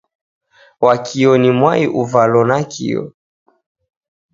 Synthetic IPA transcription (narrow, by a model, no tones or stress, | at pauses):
wakʰiɔnimwaiʔuvalɔnakʰḭjɔ̰